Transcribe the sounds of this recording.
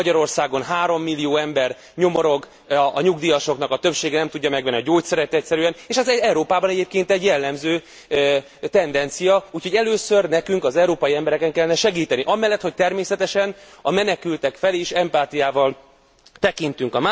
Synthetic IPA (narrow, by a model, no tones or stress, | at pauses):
ɒɟɒɾo̞rsaːɡo̞nɦaːɾo̞mːilːijoːɛmbɛr | ɲo̞mo̞ɾo̞ɡ | ɒɲuɡd̪ijɒʃo̞knɒkɒt̪ø̞pʃeːɡɛnɛmt̪uɟːɒmɛɡʋɛnːiɒɟoːc̪sɛɾɛt̪ɛcsɛɾyɛneːʃɛzɛɛuɾoːpaːbɒnɛɟeːp̚keːnt̪ɛɟjɛlːɛmzøː | t̪ɛnd̪ɛnt̪sijɒuːcʰho̞ɟɛløːsø̞rnɛkyŋkɒzɛuɾoːpɒjiɛmbɛɾɛkɛŋkɛlːɛnɛʃɛɡiːt̪ɛniʔɒmɛlːɛt̪ho̞c̚t̪ɛrmeːsɛt̪ɛʃɛnɒmɛnɛkylt̪ɛkfɛleːʃɛmpaːt̪ijaːvɒl | t̪ɛkint̪yŋkɒma